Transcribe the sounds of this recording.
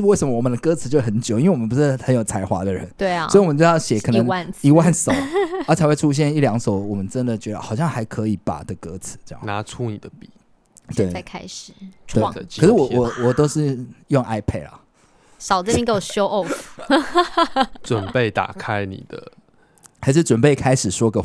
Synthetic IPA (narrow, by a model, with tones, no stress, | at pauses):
we˥˩sə˧˦mə˧wɔ˨˩mə˨˦nd̪ə˧kɤ˥˦t͡sʰɹ̩˨˩t͡ɕjo˥˩ʊxə˧˦nt͡ɕji˥nwe˥˨wɔ˨mə̃˦npu˧˦ʂɻ̩˥˩hə˧˦njo˨˩ʊt͡sʰa˧˥ɪxwa̰˧˥d̪ə˨ɻə̰˧˦ne˩˥˩ɪ˨sɔ˧˥i˨wɔ˨mə̃˨˦t͡ɕɑ˥˩ɕjɛ˨˥kʰɤ˨n˧ə˧˦ŋwa˥˧ni˧˥wa˥˨nsɑ˨˦a˥˦t͡sʰa˨˧ɪxwe˥˧ɪʈ͡ʂʰu˦˥ɕ̬jɛ˥˧ni˥˩ljɑ˧˥ŋso˨˩ʊwɔ˨˩mə˦nʈ͡ʂə˦nd̪ə˨t͡ɕɥɛ˧˥d̪ə˨xɑ˨ʊɕjɑ˥˩ŋxa˧˥ɪkʰɤ˧˦i˨˩pa̰˨˩də˧˦kɤ˧˦t͡sʰɹ̩˨˦ʈ͡ʂə˥˧jɑ̰˨na˧˦ʈ͡ʂʰu˦ni˨˩d̪ə˦pi˨˩˦ | t̪we˥˩a˥˧kʰa˥ɪʂɻ̩ʰ˨˩˦we˥˩˨ʂɻ̩˥˩wɔ˨˦wɔ˨˩wɔ˨˩t̪o˥ʊʂɻ̩˥˧jo˥˨ŋʔa˥ɪpʰɛ̰˥˩la̰˨˩ | sɑ˨˩ʊd̪ə˨mi˧˦ŋke˥˩˨ɕʂo˥ʔo˥˨˩ | t͡swə˨˩npe˥˩ɪt̪a̰˨˩kʰa˦ɪnḭ˨˩d̪ə̰˦ | a˧˥ɪʂ̬ɻ̩˥˩ʈ͡ʂwə˨˩npe˥˩ɪkʰa˥ɪʂɻ̩˨˩ʂwɔ˥ɡə˨